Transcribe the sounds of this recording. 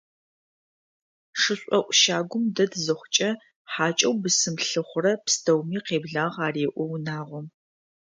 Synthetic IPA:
ʂɨɕʷʼɔʔʷʼʃaːɡʷʊmdɐdzɨχʷʊt͡ʃʼɐ | ħaːt͡ʃʼɐwbɨsɨmɬɨχʷʊrɐpstʰɐwmiːqeːbɮaːʁɑːreːʔʷɔwnaːʁʷɔ

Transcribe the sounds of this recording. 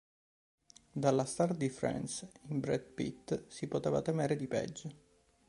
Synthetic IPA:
d̪alːast̪ard̪ifɾɛ̰nsimbɾɛd̪pḭt̪ːsipot̪eːvat̪emeːɾed̪ipɛ̰d͡ʒːe

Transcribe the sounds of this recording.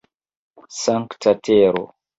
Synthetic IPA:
saŋktateːɾo̰

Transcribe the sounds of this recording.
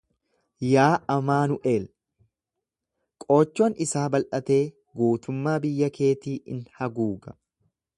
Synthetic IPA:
jaːʔɐmaːnʊʔe̞ːl | kʼo̞ːt͡ʃːo̞ːnʔɪsaːbɐlʔɐt̪e̞ː | ɡuːt̪ʊmːaːbɪjːɐkʰe̞ːt̪iːʔɪ̰nhɐɡuːɡɐ

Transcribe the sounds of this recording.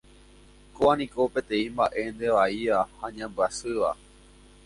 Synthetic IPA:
koanĩko̞pẽ̞t̪ẽ̞ĩmbaʔe̞nd̪eʋaiʋahaɲãmbɨasɨʋa̰

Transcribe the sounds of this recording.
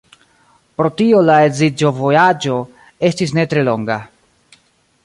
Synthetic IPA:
pɾo̞tio̞laezid͡ʒo̞vojad͡ʒo̞ | e̞stis̬ne̞tɾe̞lo̞ŋɡa

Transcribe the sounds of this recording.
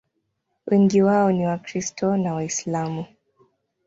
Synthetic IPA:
wʔiŋɡiwaɔniwakɾistʰɔnawaislamu

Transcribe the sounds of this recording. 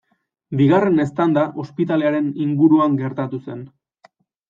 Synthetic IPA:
biɣare̞ne̞st̪and̪aʔo̞spit̪ale̞aɾe̞niŋɡuɾuaŋɡe̞ɾt̪at̪use̞n

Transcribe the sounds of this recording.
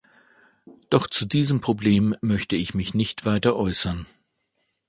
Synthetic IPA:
d̥ɔχt͡sudiːzəmpʁ̥obleːmːœçtəɪçmɪçnɪçtv̥aɪtɐʔɔʏsɐn

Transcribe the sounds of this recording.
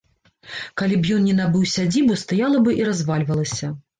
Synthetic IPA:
kalʲip̬jɔnnʲɛnabɨwsʲad͡zʲibust̪ajalˠɐbɨʔiɾazvalʲvɐlˠɐsʲɐ

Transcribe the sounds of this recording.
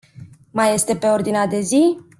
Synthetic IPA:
maje̞st̪e̞pe̞o̞rd̪inead̪e̞zi

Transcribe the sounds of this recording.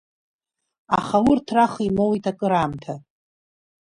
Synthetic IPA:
a̰χawʊrtʰraχimowitʰakʼɨɾaːmtʰa

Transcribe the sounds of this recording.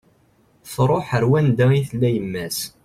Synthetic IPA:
θɾˤoħəɾwænd̪æiθəlːæjəmːæs

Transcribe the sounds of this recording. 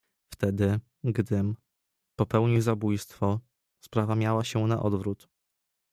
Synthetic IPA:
ft̪ɛd̪ɘ | ɡd̪ɘm | pɔpɛwɲizabujst̪fɔ | spɾavamʲjawaɕɛna̰ʔɔd̪vɾut̪

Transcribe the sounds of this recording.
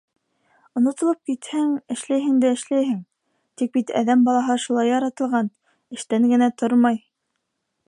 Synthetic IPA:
ŏnŏt̪ŏlˠop̚kit̪hɘŋɘ̆ʃlæjɦɘ̆ŋd̪æɘ̆ʃlæjɦɘŋ | t̪ik̚bit̪æ̰ðæmbɑlˠɑɦɤʃulˠɑjɑɾɑt̪ɤ̆lˠʁɑn | ɘ̆ʃt̪æŋɡɘ̆næt̪ʰoɾmɑj

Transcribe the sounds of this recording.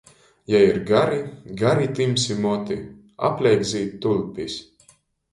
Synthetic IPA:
jaiɾɡaɾiɡaɾit̪imsimut̪i | a̰plʲɛjɡziːt̪ːulʲpʲis

